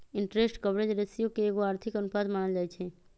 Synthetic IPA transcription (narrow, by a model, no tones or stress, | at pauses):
ɪɳʈɾesʈkəbɽed͡ʒɾesijokeːɡoaːɾt̪ʰikənupad̪maɳ̃əd͡ʒajt͡ʃʰe